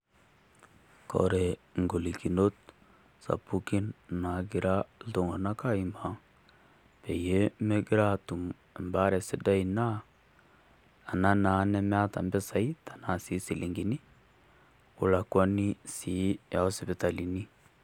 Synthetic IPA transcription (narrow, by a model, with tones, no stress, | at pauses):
kɔ̰˨ɾe˨ŋɡo˨li˨ki˨no˦t | sa̰˨pu˦ki˦nna˨ɡi˨ɾa˦to˨ŋo˨na˦ka˦i˨ma˨ŋ | pe˨je˦me˦ɡɪ˦ɾa˦tu˨m˨ | mba˦ɾɛ˨si˦da˦i˨na˦˨ | na˦na˨˦nɛ˦m˦a˦ta̰˨mbɛ˦sa˨i˦tḁ˨na˨si˨˦si˨lʔi˨ŋɡi˨ni˦ | ṵ˨la˨kwa˦ni˦si˨˦ja˨ɔ˦si˨be˨ta˨li˨ni˦